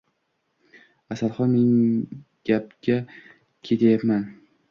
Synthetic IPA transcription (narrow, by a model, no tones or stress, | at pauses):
asalˠχɒnme̞nɡ̥ʲap̚ɡʲa | kʲʰe̞t̪ʰajapman